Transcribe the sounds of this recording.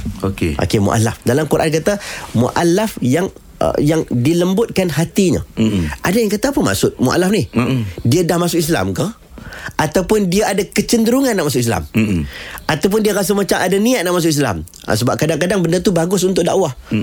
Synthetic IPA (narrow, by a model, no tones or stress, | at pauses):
okeʔo̰kemṵʔa̰lafdalamkuɾʔa̰nk̬at̪amṵʔalafjaŋ̰ | jaŋdiləmbʊt̪̚kanɦat̪iɲə̰ʔadajaŋkat̪aːpəma̰ʔsʊʔ̚muʔa̰lafnɪhdiədahmasʊkis̬la̰mkah | at̪awpʊndiəʔadakət͡ʃəndəɾuŋanːaʔmasʊkisla̰m | at̪awp̬ʊndiaɾas̬əmat͡ʃaŋʔadaniaʔ̪̚naʔmasʊkis̬la̰m̰ | səbap̚kadaŋkadaŋbəndərt̪ubaɡʊsunt̪ʊk̚daʔwah